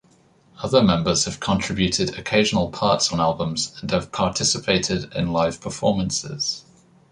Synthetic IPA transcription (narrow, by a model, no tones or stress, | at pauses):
ʌðəmɛ̃mbəz̥həv̥kʰə̃ntʰɹ̥ɪbjʉˑtʰɪdəkʰeɪʒənəlˠpʰɑˑtsn̩alˠbə̃mz̥ə̃nəv̥pʰɑˑtʰɪsɪpʰeɪtʰɪdɪ̰̃nlaɪv̥pʰəfɔːmə̃nsɪ̰z̥